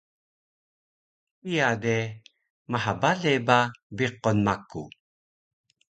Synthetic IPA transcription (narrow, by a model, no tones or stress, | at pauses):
ijade | maɦabalebabiqonmaku